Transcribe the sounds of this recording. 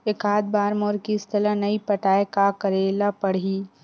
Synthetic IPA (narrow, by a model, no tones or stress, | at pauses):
ɪkaːd̪̚baːɾmoːɾkist̪ʰəlãnɐipɐʈaːekakəɾeːlapɐɽ̤i